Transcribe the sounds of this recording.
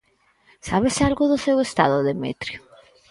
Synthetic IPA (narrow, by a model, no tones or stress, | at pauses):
saβ̞esealɣʊðʊsewest̪aðʊðemḛt̪ɾjʊ